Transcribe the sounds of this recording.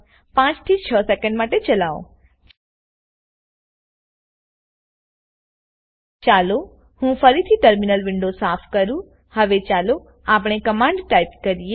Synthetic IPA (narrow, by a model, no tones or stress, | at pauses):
pãt͡ʃt̪ʰit͡ʃʰəsɛkə̃ɳɖmaʈet͡ʃəlaõ̰ | t͡ʃalo | hũfəɾit̪ʰiʈəɾminəlʋɪɳɖosapʰkəɾũ | həʋet͡ʃalo | ap̬ɽ̃ekəmãɳɖʈajp̚kəɾije